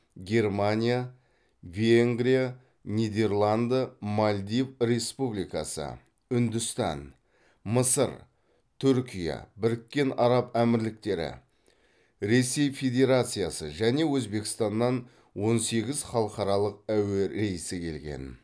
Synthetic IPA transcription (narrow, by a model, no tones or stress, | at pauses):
ɡʲe̞rmanʲija | vʲeŋɡɾʲija | nʲijd̪e̞rlˠand̪əmalʲd̪ivɾe̞spublijkɑ̰sə̰ | ʏnd̪ʏst̪ɑ̰n | məsəɾ | t̪ʰʏɵɾkʲija̰bɪɾɪkʲːe̞nɑɾɑpæmɪɾlɪk̚t̪e̞ɾɪ̰ | ɾe̞sːe̞jfʲe̞d̪ʲe̞ɾat̪sɨjasə̰ʒæne̞wɵzbe̞kʲɪ̥st̪ɑnːɑn | wo̞nse̞ɡʲɪzχɑlˠəqɑɾɑlˠəq̚æweɾe̞jɪsɪkʲʰe̞lɡʲe̞̰n